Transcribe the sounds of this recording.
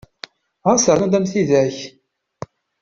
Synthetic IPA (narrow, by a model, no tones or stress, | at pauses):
ʁasəɾnud̪æmθiðæç